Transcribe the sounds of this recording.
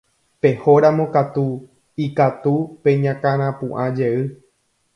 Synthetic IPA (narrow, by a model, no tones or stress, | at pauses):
pe̞ho̞ɾamõ̞kat̪u | ikat̪upe̞ɲãkãɾ̃ãpũʔãd͡ʒe̞ɨ